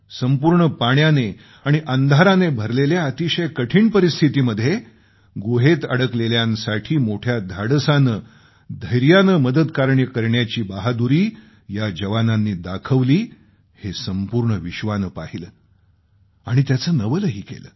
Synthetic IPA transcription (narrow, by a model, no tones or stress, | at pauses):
səmpuːɾɳəpaɳjane | aɽ̃iʔənd̪ʱaɾanebʱəɾleljaət̪iɕəjkəʈʰiːɳpəɾist̪ʰit̪iːməd̪ʱje | ɡoɦet̪ə̰ɽəkleljãnsaʈʰiːmoʈʰjad̪ʱaɽəsanəː | d̪ʱəjɾjanəməd̪əd̪kaɾɳjəkəɾɳjat͡ɕiːbaɦad̪uɾiː | jad͡ʑəʋananːiːd̪akʰəʋliː | hesəmpuɾɳəʋiɕʋanəːpaɦiləː | aɽ̃it̪jat͡səːnəʋələɦiːkḛlə̰ː